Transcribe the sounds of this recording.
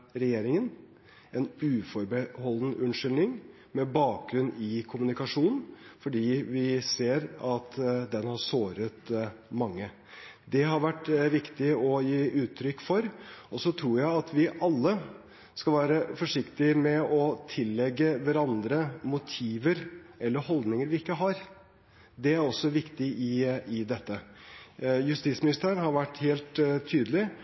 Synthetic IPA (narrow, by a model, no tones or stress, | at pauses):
ɾɛjeːɾɪŋən | ɛnʉːfɔɾbəhɔlnəʔʉnʂʏlnɪŋ | mɛbɑːk̚ɡɾʉnɪkʰʊmʉnɪkɑʂuːnn̩fɔɖiːʋɪseːɾɑt̪d̪ɛnhɑʂoːɾət̪mɑŋːə | d̪ɛɦɑɾʋæʈːʋɪkt̪ɪɔjiːʉːt̪ʰːɾʏkːfɔɾɔsɔt̪ʰɾuːɾjæɪɑt̪ʰʋɪʔɑlːə | skɑlʋæːɾəfɔʂɪkt̪ɪmɛɔt̪ʰɪlːɛɡːəʋæɾɑnd̪ɾəmʊt̪ʰiːʋəɾɛlːəɾhɔld̪nɪŋəɾʋɪɪkːəɦɑɾ | d̪ɛæɾɔsːɔʋɪkt̪ɪɪɪd̪ɛt̪ːə | jʉst̪iːt̪smɪnɪst̪æːɾənhɑɾʋæʈːheːlt̪ʰːyːd̪əlɪ